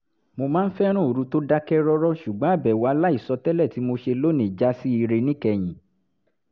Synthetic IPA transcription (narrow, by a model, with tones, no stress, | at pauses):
mo˧mãː˦n̩˦fɛ˦ɾ̃ũ˦˨o˨ɾu˧˦to˦da˦kɛ˦ɾɔ˦ɾɔ˦ʃu˨ɡ͡bɔ̃˨˦a˦˨bɛ˨wa˧la˦i˦˨sɔ˧tɛ˦lɛ˦˨ti˨˦mo˧ʃe˧lo˦nĩ˨d͡ʒa˦si˦i˧ɾe˧nĩ˦kɛ˧j̃ĩ˨